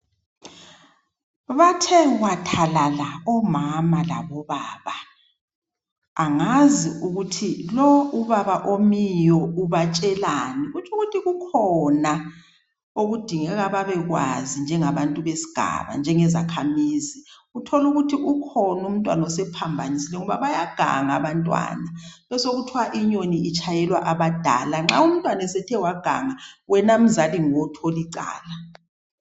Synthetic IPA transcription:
βatʰɛɣwatʰalalaɔmamala̰βɔβaːβa | ŋaziuɣutʰilɔuβaβaʔomijɔuβat͡ʃʼɛlaniɣut͡ʃʰuɣutʰiɣukʰɔna | oɣud̥ʱiŋɛɣaβaβɛɣwa̰zind͡ʒʱɛŋaβantʼuβesi̥ɡ̥ʱa̰βa̰nd͡ʒʱɛŋɛzakʰamiːziɣutʰɔluɣutʰiʔukʰɔnum̩tʼwa̰nɔsɛpʰambʱanisilɛŋɔβa̰βajaɡ̥ʱa̰ŋaβantʼwa̰naβɛsoɣutʰwaʔiɲoniit͡ʃʰʼajɛlwa̰ʔaβad̥ʱa̰laŋ͡ǁaum̩tʼwanɛsɛtʰɛwaɡ̥ʱa̰ŋawɛnam̩zaliŋɔtʰoliǀa̰ːla

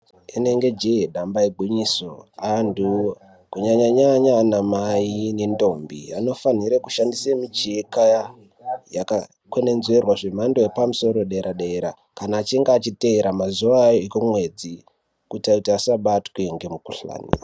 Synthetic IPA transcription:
ene̞ŋɡe̞d͡ʒeeɗambaeɡʱwiɲisoandu | kuɲaɲaɲaɲanamainendo̞mbḭano̞faniɾeku̥ʃandisemit͡ʃekaa | jaka | kwene̞nzwe̞rwaʐemando̞epamuso̞ɾo̞ɗeeɾʔaɗeeɾa | kanaːt͡ʃiŋɡaːt͡ʃiteeɾamazuʋajoikomwe̞d͡zi | kutautiasaɓatkueŋɡe̞mukuɬa̰ːnḭa

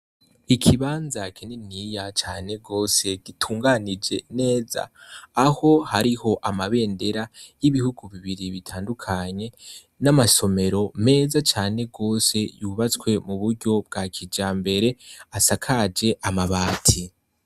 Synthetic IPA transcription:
ikʰiβaːnzakʰenenijat͡ʃaːne̞ɡo̞ːse̞ɡ̥itʰuːŋɡanid͡ʒe̞ne̞ːza̰ːho̞haɾiho̞ʔamaβe̞ːnde̞ɾajiβihuɡuβiβiɾiβitʰaːndukʰaɲe̞ | namaso̞me̞ɾo̞me̞ːzat͡ʃaːne̞ɡo̞ːse̞juβat͡skwe̞muβuɾɟo̞b̚ɡakʰid͡ʒaːmbe̞ɾe̞asakʰad͡ʒe̞ʔamaβaːtʰi

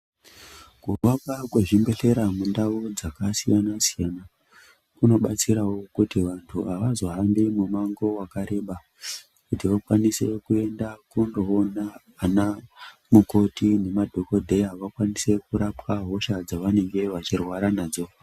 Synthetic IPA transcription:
kurwakakwe̞ʐimbe̞ɬe̞ɾamundaʋo̞d͡zakasijanasijana | kuno̞ɓat͡siɾawo̞kutiʋantʰuaʋazo̞ɦambimumaŋɡo̞wakaɾe̞ɓa | kutiʋakwanise̞kue̞ndakundoːnaː | namuko̞tine̞madʱo̞ko̞dʱe̞jaʋakwanise̞kuɾapwaɦo̞ʃad͡zaʋane̞ŋɡe̞ʋat͡ʃirwaɾanaːd͡zo̞

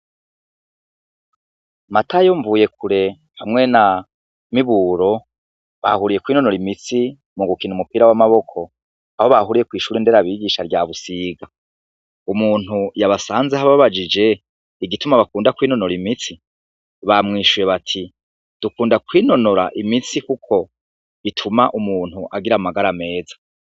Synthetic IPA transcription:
matʰajoɱvuːje̞kʰuɾe̞ | hamŋe̞na | miβuːɾo̞ | βa̰huɾije̞kwiːno̞no̞ɾimit͡si | muɡukiːnumupiːɾawamaβo̞kʰo̞ | aho̞βahuɾije̞kwiːʃuːɾinde̞ːɾaβiɡiːʃaɾɟaːβusiːɡa | umuːn̥ujaβasaːnzeɦaβaβad͡ʒid͡ʒe̞ | iɡitumaβakuːndakwiːno̞noɾimit͡si | βamŋiːʃuje̞βatʰi | d̥ukuːndakwiːno̞no̞ɾa̰ʔimisikukʰo̞ | βitʰumaʔumuːn̥huʔaɡiɾamaɡaɾame̞ːzḁ

